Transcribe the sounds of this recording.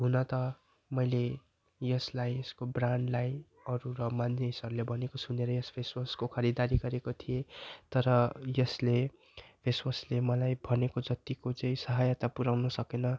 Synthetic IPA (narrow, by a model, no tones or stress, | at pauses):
ɦunʌt̪ʌ | mʌjle | jʌslajeskobraɳɖlaj | ʌɾuɾʌmaneɦisʌɾulebʱʌnekosuneɾʌjʌspʰesmʌskokʰʌɾid̪aɾiɡʌɾekot̪ʰijet̪ʌɾʌjʌsle | pʰesmʌslemʌlajbʱʌnekod͡zʌt̪ikot͡sʌĩsʌɦajʌt̪apuɾawnʌsʌkenʌ